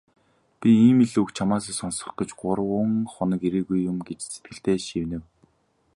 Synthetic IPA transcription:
pʲiiːmiɮukt͡ɕʰamaːsaːsɔnsɞ̥̆χɡ̥ə̆t͡ɕɢʊrwʊŋχɔnə̆kiɾiːɣujːʊmɡet͡ɕset̪̚ɡɘ̆ɬt̪eːʃiwnɘ̆w

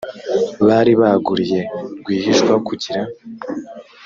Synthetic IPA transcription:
βaːɾiβaɡuɾije̞ɾɡwiːhiʃkwakuɟiɾa

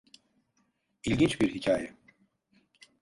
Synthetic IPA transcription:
ilʲɟint͡ʃbiɾhicʰaːjɛ

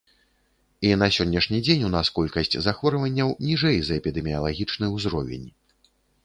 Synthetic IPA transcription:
inɐsʲɔnʲːɐʂnʲid͡zʲenʲunaskɔlʲkɐsʲt͡sʲzaxvɔɾɐvɐnʲːɐwnʲiʐɛjzɐɛpʲid̪ɛmʲijɐlˠaɣʲit͡ʂnɨuzɾɔvʲɛ̰nʲ

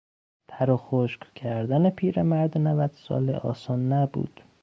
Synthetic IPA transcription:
t̪ʰæɾɒxoʃkcʰæɾd̪ænepʰiːɾemæɾd̪enævæd̪̥sɒ̰ːlḛʔɒ̰ːsɒnːæbṵːd̪̥

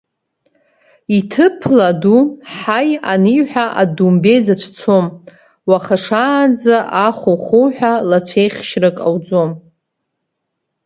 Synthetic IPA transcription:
itʰɨpʰladuħajaniħʷᶣaʔadumbe̞jd͡zat͡ɕʷʰt͡sʰom | waχaʂaːd͡zaʔaχʷoχuwħʷᶣalat͡ɕʷʰejχʲʃrakʼa̰wd͡zom

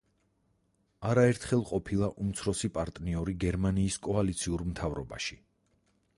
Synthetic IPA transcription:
aɾaɛɾt̪ʰχɛlˠqʼɔpʰilˠaʔumt̪sʰɾɔsipʼaɾt̪ʼniɔɾiɡɛɾmaniːskʼɔalit̪sʰiuɾmt̪ʰavɾɔba̰ʃi̥

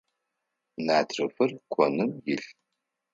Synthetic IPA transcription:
naːdrɨfɨrkʷʰɔnɨmjɪɬ

